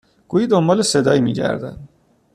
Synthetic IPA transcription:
ɡ̥uːjiːd̪ombɒːlese̞d̪ɒːimḭːɟæ̰ɾd̪æ̰d̪̥

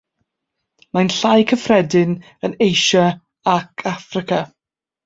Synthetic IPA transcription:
majnɬajkʰəfrɛdɪn | ənejʃa | akʰafrɪkʰa

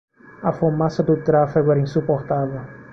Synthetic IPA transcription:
ɐfomasɐd̪ut̪ɾafiɡuɛɾɐĩnsupoɾt̪aðɐ

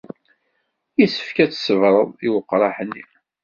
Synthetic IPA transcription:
jisə̥fkæt͡sːsəvɾˤəðˤiwəqːɾˤɑħənːim

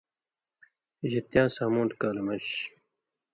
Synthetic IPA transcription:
ʑit̪jãːsaːmũːnʈkaːlemɐɕ

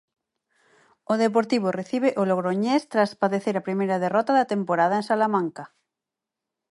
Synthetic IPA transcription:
oð̞ep̬oɾt̪iβ̞oreθiβ̞eʔoloɣɾoɲest̪ɾaspaðeθeɾapɾimejɾɐð̞erɔt̪aðɐt̪empoɾað̞aensalamãŋka

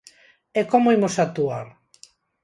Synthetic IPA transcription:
ekomoimosat̪uaɾ

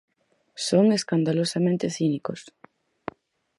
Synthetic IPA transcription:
soŋeskand̪alosamẽnt̪eθinikos

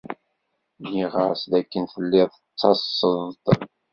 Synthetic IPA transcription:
jiʁəɾsd̪ækːənfəlːɪðˤət͡sːɑsːəðt̪ˤ

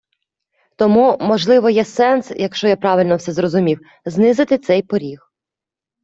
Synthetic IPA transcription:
t̪ɔmumɔʒlˠɪʋɔjɛsɛnsjɐkʃt͡ʃɔjapɾɑʋɪlʲnɔwsɛzɾɔzʊmʲiw | znɪzɪt̪ɪt̪sɛjpɔɾʲix

